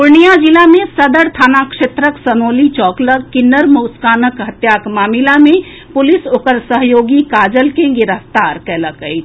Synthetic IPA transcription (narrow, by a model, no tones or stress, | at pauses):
pʊɾnijad͡ʒilamẽsəd̪əɾt̪ʰaːnakʃet̪ɾəksənoːlit͡ʃɔːkləkkːɪnːəɾmoːskaːnəkɦət̪jakmaːmilamẽ | pʊlisoːkəɾsəɦjoːɡikaːd͡ʒəlkeɡɪɾəft̪aːɾkɛləkəit̪ʰ